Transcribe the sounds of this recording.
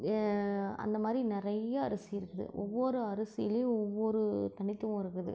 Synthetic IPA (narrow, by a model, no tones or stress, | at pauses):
ɐ̰nd̪ɐmaːd̪ɾinɪɾɐjːɐːɾɐsɪɪɾɯkːɐðɯ̰ʔɔʋːɔɾɯɐɾɐsɪjɪleːʊ̃ɔʋːɔɾɯt̪ɐɳɪt̪ːɯʋʊ̃ɪɾɯkːɐðɯ̰